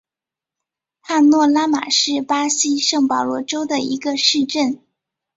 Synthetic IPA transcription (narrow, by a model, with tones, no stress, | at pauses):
xa˥˧nnwɔ˥˩la˥ma̰˨˩ʂɻ̩˥˩pa˥ɕi˥ʂɤ˥˩ŋpɑ˨˩lwɔ˥˩ʈ͡ʂo˥ʊd̪ə˨i˧˥ɡə˧ʂɻ̩˥˧ʈ͡ʂə˥˩n